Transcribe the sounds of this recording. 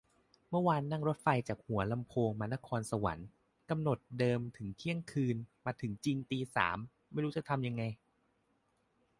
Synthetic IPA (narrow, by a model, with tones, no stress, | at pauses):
mɯ˥˩ɐwaː˧nːa˥˩ŋɾo˦˥t̪̚fa˧jt͡ɕaː˨˩k̚hu˨˩˦ɐla˧mpʰoː˧ŋmaː˧na˦˥kʰɔː˧nsa˧wa̰˩˦n | ka˧mno˨˩t̪̚dɤː˧mt̪ʰɯ˩˦ŋk̪ʰi˦˥əŋkʰɯː˧nmaː˧t̪ʰɯ˩˦ŋt͡ɕi˧ŋt̪iː˧sa̰ː˩˦m | ma˥˩jɾuː˦˥t͡ɕa˨˩t̪ʰa˧mja˧ŋːa˧j